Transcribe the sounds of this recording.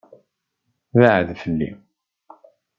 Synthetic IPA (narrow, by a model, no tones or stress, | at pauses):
vəʕəðfəlːḭ